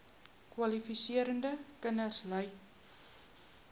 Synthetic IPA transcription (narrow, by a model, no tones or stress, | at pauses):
kwɐlifisiəɾəndəkənərsləj